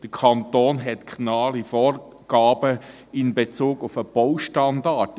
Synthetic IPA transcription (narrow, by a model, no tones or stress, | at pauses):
d̥əɾkʰɑntoːnɦɛtkʰnɑːlifɔːr | ɡ̥ɑːb̥ə | ɪnbet͡suːɡʊfəb̥ɔʊʃtɑndɑt